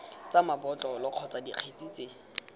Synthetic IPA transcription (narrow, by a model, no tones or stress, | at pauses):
t͡samabɔt͡ɬʼɔlɔq͡χʰɔt͡sadiq͡χʰet͡sʼit͡sʼe